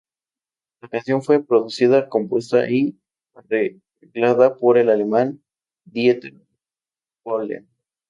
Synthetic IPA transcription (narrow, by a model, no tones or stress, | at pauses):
lakansjo̞nfwe̞pɾo̞ðusiðako̞mpwe̞st̪a̰ʔi | are | ɣlaðapo̞ɾe̞lale̞man | d̪jet̪eɾ | bolea̰